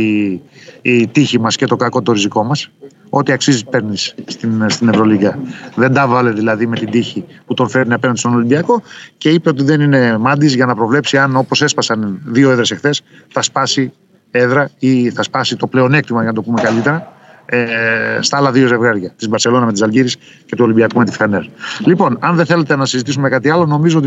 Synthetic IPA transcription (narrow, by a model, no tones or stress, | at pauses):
i | t̪içimɐscet̪o̞kɐkot̪o̞ɾiziko̞mɐs | o̞t̪iɐksizispe̞ɾnisːt̪inst̪ine̞vɾo̞liɡɐðend̪ɐvɐleðilɐðime̞t̪ind̪içiput̪o̞nfe̞ɾniɐpenɐnd̪st̪ono̞limbiɐko̞ce̞ipe̞o̞t̪iðe̞nine̞mɐnd̪izʝɐnɐpɾo̞vle̞psiɐno̞po̞se̞spɐsɐnðio̞eðɾe̞se̞xθe̞s | θɐspɐsi | e̞ðɾɐiθɐspɐsit̪o̞ple̞o̞ne̞k̚t̪imɐjʝɐnɐt̪o̞pume̞kɐlit̪e̞ɾɐ | st̪ɐɐlɐðio̞ze̞vɣɐɾʝɐt̪izbɐɾse̞lo̞nɐme̞t̪isɐlʝiɾis | ce̞t̪uo̞limbiɐkume̞t̪ifθenellipo̞nɐnðeθe̞le̞t̪e̞nɐsizit̪isume̞kɐt̪iɐlo̞no̞mizoot̪